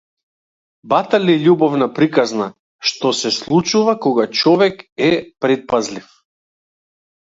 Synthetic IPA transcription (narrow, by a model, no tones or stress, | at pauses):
bat̪aliʎʲubɔvnapɾikazna | ʃt̪ɔsɛslˠut͡ʃuvakɔɡat͡ʃɔvɛkɛpɾɛt̪̚pazlif